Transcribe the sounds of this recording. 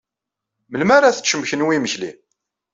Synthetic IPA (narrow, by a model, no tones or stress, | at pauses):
məlmaɾaθə̥t͡sːəmçənwiməçlḭ